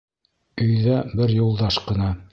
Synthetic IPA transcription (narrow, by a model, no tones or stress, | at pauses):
ɵ̆jðæbɘɾjulˠd̪ɑʃqɤ̆nɑ